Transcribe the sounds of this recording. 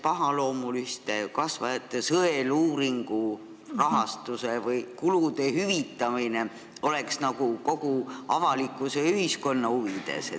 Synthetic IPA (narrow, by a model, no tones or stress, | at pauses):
pɑɦɑlo̞ːmulyst̪ekɑsvɑ̰et̪ːˑesɤeluːɾiŋɡ̥u | rɑɦɑst̪use̞vɯjkulud̪e̞hyvit̪ːˑɑmine̞ | o̞le̞ksnɑɡ̥uko̞ɡ̥uɑvɑlikːˑuse̞yɦisko̞nːɑuvid̪̥e̞̰se